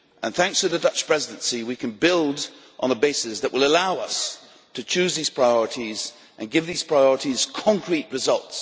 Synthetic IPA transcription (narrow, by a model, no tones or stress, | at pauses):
ʔə̃nθæ̃ŋkstʰɨðɨdʌt͡ʃpʰɹ̥ɛzɨdɨ̃nsiwikʰɨ̃n̩bɪlˠd | ʔn̩ðəbeɪsɨsðɨʔwəlˠəlaʊʌs | tʰɨt͡ʃʰʉzðiz̥pʰɹ̥aɪɔɹɨɾiz | ʔɨ̃nɡɪvðiz̥pʰɹ̥aɪɔɹəɾiz̥kʰɑ̃ŋkʰɹit̚ɹɨzʌlˠts